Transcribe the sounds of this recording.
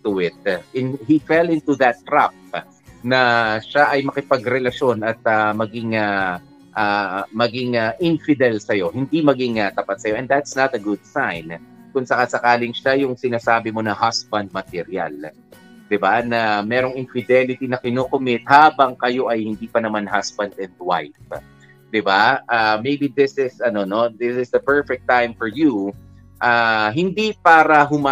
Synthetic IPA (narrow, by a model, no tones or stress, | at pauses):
t̪ʊɪt̪̚ɪnhifɛlɪ̃nt̪uðɐt̪ːɾap̚ | nɐʃaʔɐjmɐkɪpɐɡɾɛlɐʃo̞nɐt̪̚ɐmɐɡɪŋa | ʔamɐɡɪŋɐʔɪnfɪd̪ɛlsɐjo̞hɪnd̪imɐɡɪŋɐt̪ɐpat̪̚sɐjo̞ʔɛnd̪d̪at̪snɐt̪ɐɡʊd̪̚sajnkʊŋsɐkasɐkaːlɪŋʃajʊŋsɪnaːsaːbɪmo̞nɐhasbɐ̃nd̪̚mɐt̪ɛɾja̰l | d̪ɪbanɐmɛːɾo̞ŋɪnfɪd̪ɛlɪt̪inɐkɪnoːkomɪt̪̚haːbɐŋkɐjo̞ʔɐjhɪnd̪iːpɐnɐmanɦasbɐnd̪ɛ̃nd̪wa̰jf | d̪̥ɪbaʔamejbiðɪsɪsɐno̞no̞d̪ɪsɪsd̪ɐpɛɹfɛk̚t̪ːãjmfɔɹju | ʔaɦɪnd̪ipaːɾɐɦʊma